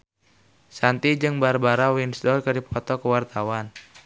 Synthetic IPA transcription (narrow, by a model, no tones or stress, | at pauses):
sant̪id͡ʒɨŋbarbaɾawinsdɔlkədipʰɔt̪ɔkəwart̪awan